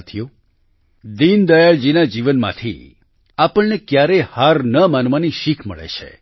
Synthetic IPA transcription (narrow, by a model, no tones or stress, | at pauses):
t̪ʰijo | d̪ind̪əjaɭd͡ʒinad͡ʒiʋənmã̰t̪ʰḭ | apəɭnekjaɾehaɾnəmanʋaniʃikʰmə̰ɭḛt͡ʃʰḛ